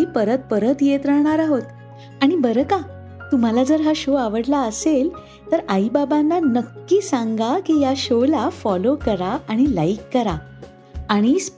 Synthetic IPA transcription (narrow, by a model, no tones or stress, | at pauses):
ipəɾət̪̚pəɾət̪jet̪ɾəɳ̃aɾaɦot̪ | aɽ̃ibəɾəka | t̪um̤alad͡zəɾɦaɕoaʋəɽlaəsel | t̪əɾaibabanːanəkːiːsãŋɡakijaɕolafɔlokəɾaaɽ̃ilaikːəɾa | aɽ̃is